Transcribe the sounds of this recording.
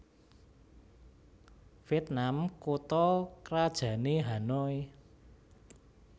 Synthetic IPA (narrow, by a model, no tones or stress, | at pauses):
fiɛt̪̚namkot̪ɔkɾad̥ʒ̥ä̤neɦanɔi